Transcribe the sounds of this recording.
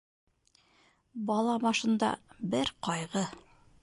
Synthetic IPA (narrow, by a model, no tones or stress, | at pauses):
bɑlˠɑmɑʃɤ̆nd̪ɑ̰bɘɾqɒjʁɤ